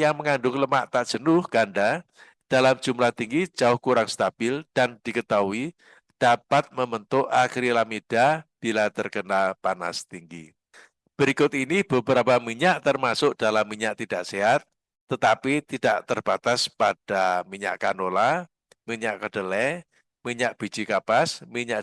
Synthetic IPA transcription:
jaŋməŋaɳɖʊŋləmaʔt̪aʔdʒ̥ənʊhɡ̥anɖa | d̥alamd͡ʒ̥umlat̪iŋɡi̥ʒ̥aʊhkuɾaŋst̪ab̥ɪld̥and̥ikət̪aui | d̥apat̪̚məmənt̪ʊʔakəɾilamid̥ab̥ilat̪ərkənapana̰st̪iŋɡḭ | b̥əɾikʊt̪inib̥əbəɾapamiɲaʔt̪ərmasʊʔd̥alamːiɲaʔt̪id̥aʔseɦat̪̚ː | ət̪apit̪id̥aʔt̪ərb̥at̪aspad̥amiɲa̰ʔkanola | miɲaʔkəɖ̥əlɛ | miɲaʔb̥i̤̥d͡ʒ̥ikapasmiɲaʔ

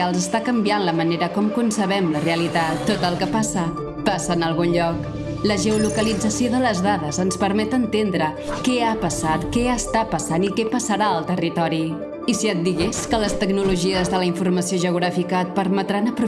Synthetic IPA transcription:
alˠzəst̪akəmbianləməneɾəkɔmkunsəβɛmləreəlit̪at̪ːot̪əlˠkəpasə | pasəːnəlˠɣunʎɔk | ləʒəulukəlid͡zəsioðələzðaðəzənspəɾmɛt̪ənt̪end̪ɾə | kɛapəsat̪kɛəst̪apəsanikɛpəsəɾaəlˠt̪ərit̪ɔɾi | isiət̪̚d̪iɣeskələst̪əɡnuluʒiəzðələiɱfurməsioʒəuɣɾafikəːt̪̚pəɾmət̪ɾanəpɾu

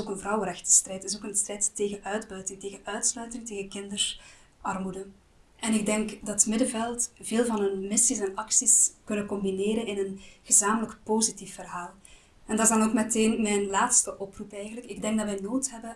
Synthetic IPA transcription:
ɪzoːkənvrɑwəɾɛxtə̥strɛjtɪsoːkənstrɛjtteːɣənʔœɥdbœɥtɪŋteːɣənœɥtslœɥtɪŋteːɣəkɪndərs | ʔɑrmudən | ɛnɪɡ̚dɛŋkdɑtmɪdəvɛlˠtveːlˠvɑnɦɵnmɪsisɛnɑksiskɵnəkɔmbineːɾənɪnənɣəzaːmələkpoːzitifːərɦaːlˠ | ɛndɑtɪzdɑnoːkmɛteːnmɛjnlaːtstəʔɔprupɛjɣənləkɪɡ̚dɛŋɡdɑtʋɛjnoːtɦɛbə

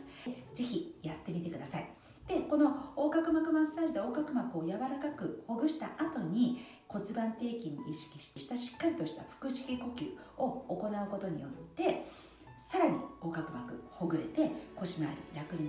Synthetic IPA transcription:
ze̞çijat̪ːe̞mʲit̪e̞kɯ̟d̪asai | d̪̥e̞ko̞no̞oːɡakɯ̟makɯ̟masːaːʑid̪e̞o̞ːɡakɯ̟makɯ̟o̞jaβaɾakakɯ̟ho̞ɡɯ̟ɕi̥t̪aʔat̪o̞ɲ̟i | ko̞t͡sɨbãnt̪e̞ːkʲĩɲːḭiɕi̥kʲi̥ɕi̥kʲiɕi̥t̪aɕi̥kːaɾʲit̪o̞ɕi̥t̪aɸɯ̟̥kɯ̟ɕi̥kʲiko̞kʲɨ̰ː | o̞oko̞naɯ̟ko̞t̪o̞ɲ̟ḭjo̞̰t̪ːe̞ | saɾaɲ̟ḭo̞ːɡakɯ̟makɯ̟ho̞ɡɯ̟ɾe̞̰t̪e̞ko̞ɕima̰ːɾʲḭɾakɯ̟ɾi

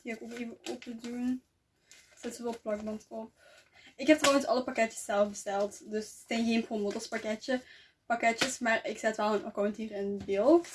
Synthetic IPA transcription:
diaɪkokeːvəʔopədun | z̥ɪtsəʋɔlˠplɑɡ̚bɑntɔp̚ | ɪkɦɛp̚trɑwənsɑlˠəpakɛtə̥sːɛlˠfbəstɛlˠtdɵssɛjnɣeːnpromotəɹspakɛtə | pakɛtəsmaːrɪksɛtʋɛlˠənʔɔ̰kɔmɛntiːrɪnbeːlˠt

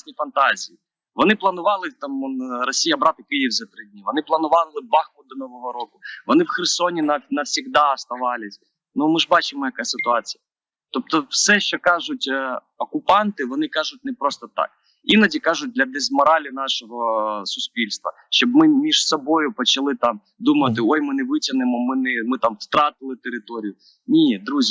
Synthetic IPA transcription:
snʲijfɐnt̪ɑzʲiji | ʋɔnɪplˠɐnʊʋɑlˠɪt̪ɑmɔnrɔsʲijɐbɾɑt̪ɪkɪjiwzɐt̪ɾɪdʲnʲiʋɔnɪplˠɐnʊʋɑlˠɪbɑxkʊd̪ɔnɔʋɔɦɔɾɔkʊʋɔnɪwxɛrsɔnʲinɐnɐwsʲiɣd̪ɑɐst̪ɐʋɑlʲɪsʲ | numɪʒbɑt͡ʃɪmɔjɐkasɪt̪ʊɑt͡sʲijɐ | t̪ɔp̚t̪ɔfsɛʃt͡ʃɔkɑʒʊtʲ | ɔkʊpɑnt̪ɪʋɔnɪkɑʒʊt̚ʲnɛpɾɔst̪ɔt̪ɑ̰k̚ | inɐdʲikɑʒʊt̚ʲd̪lʲɐd̪ɛzmɐɾɑlʲinɑʃɔɦɔsʊsʲpʲilʲst̪ʋɐ̰ | ʃt͡ʃɔb̚mɪmʲiʒ̥sɔbɔjʊpɔt͡ʃɐlˠɪt̪ɑm | d̪umɐt̪ɪojmɪnɛʋɪtʲɐnɪmɔmɪnɛmɪt̪ɑmst̪ɾɑt̪ɪlˠɪt̪eɾɪt̪ɔɾʲijʊ | nʲid̪ɾuzʲ

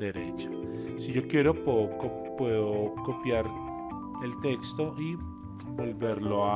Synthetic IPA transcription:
d̪eɾḛt͡ʃḁ | siʝo̞kje̞ɾopoko | pwe̞ðokopjaɾ | elt̪ekst̪oʔi | bo̞lβeɾloa

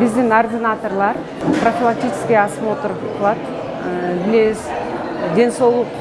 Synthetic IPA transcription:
bɪzd̪ɪŋord̪ʲɪnat̪o̞rlˠɑɾ | profʲilˠak̚t̪ʲijt͡ʃʰɪ̥skʲijɑsəmo̞t̪ʊɾpt̪ʰəlˠɑt̪ | bɪles | d̪ʲe̞nso̞wlˠʊq

